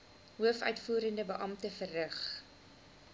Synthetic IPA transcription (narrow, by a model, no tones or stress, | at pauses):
ɦuəfœ̰ɥtfuːɾəndəbəʔɐmtəfərːəχ